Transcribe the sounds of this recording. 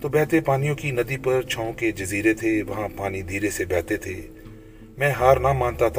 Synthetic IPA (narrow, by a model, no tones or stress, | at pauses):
t̪oːbɛːt̪epaːnijõkinɐd̪ipɐɾt͡ʃʰãːõked͡ʒɐziːɾet̪ʰeʋɐɦãpaːnid̪ʱiːɾesebɛːt̪et̪ʰḛː | mɛ̃ːɦaːɾnamãːnt̪at̪ʰ